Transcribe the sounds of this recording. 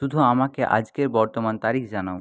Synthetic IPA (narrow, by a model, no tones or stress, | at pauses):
ʃud̪ʱuamakeʔa̰d͡ʑkeɾbɔɾt̪omant̪aɾikʰd͡ʑanao